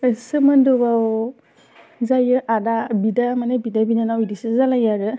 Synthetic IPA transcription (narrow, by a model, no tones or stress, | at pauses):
əsɯməndɯbaw | zajɯʔadabidamanɛbidabidanawidisɯzalajaɹɯ